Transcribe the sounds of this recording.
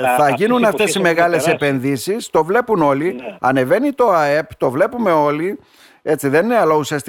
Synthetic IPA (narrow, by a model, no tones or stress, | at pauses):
θɐʝinunɐft̪e̞sime̞ɣɐle̞se̞pe̞nðisist̪o̞vle̞puno̞liɐ̰ne̞ve̞nit̪o̞ɐe̞pt̪o̞vle̞pume̞o̞li | e̞t͡siðe̞nineɐlɐusiɐst̪